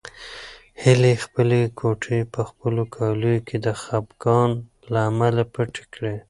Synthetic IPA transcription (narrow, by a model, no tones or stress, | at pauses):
hɪlexpəlekʰoʈʰepəxpəlokʰɑlujokʰed̪əxabɡɑn | laːmalapəʈe̥kɽe